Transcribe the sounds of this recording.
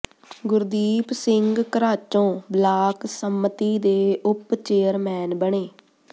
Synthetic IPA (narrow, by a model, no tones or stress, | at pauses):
ɡʊɾd̪iːpsɪŋɡkəɾaːt͡ʃõːblaːksəmːət̪iːd̪eːʔʊpt͡ʃeːəɾmɛːnbəɳeː